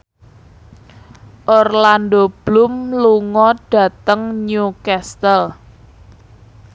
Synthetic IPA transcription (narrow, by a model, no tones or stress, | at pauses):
ʔɔrland̪ob̥lʊmluŋɔd̥ä̤t̪əŋɲukɛst̪əl